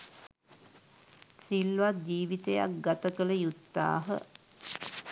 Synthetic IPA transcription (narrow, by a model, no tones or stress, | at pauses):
silːʋad͡ʒiːʋit̪eja̰k̚ɡat̪əkələjut̪ːa̰ːɦə̰